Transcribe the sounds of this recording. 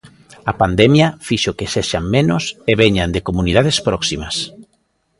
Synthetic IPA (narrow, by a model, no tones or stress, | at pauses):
ɐpand̪ɛmjafiʃokeseʃaŋmẽnʊseβeɲand̪ekomunið̞aðespɾɔksimɐs